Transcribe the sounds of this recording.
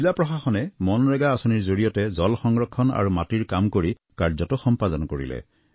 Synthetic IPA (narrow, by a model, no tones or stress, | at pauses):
ilapɹɔxaxɔnɛmɔnɹɛɡaːsɔniɹzoɹijɔtɛzɔlxɔŋɹɔkʰːɔna̰ɹumatiɹkamkoɹi | kaɹzɔtɔxɔmpadɔnkoɹḭlɛ̰